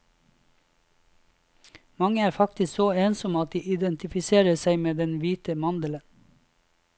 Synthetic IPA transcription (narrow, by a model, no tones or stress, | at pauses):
mɑŋəæːɾfɑkt̪ɪsksoːeːnsɔmɑt̪̚d̪iːʔɪd̪ɛnt̪ɪfɪseːɾəsæɪmeːd̪ɛnʋiːt̪əmɑnd̪ələn